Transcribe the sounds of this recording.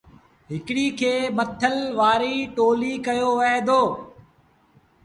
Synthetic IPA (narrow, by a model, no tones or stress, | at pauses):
ɦɪkɪɽiːkʰeːmət̪ʰəlʋaːɾiʈoːlikɐjoʋɐɦed̪oː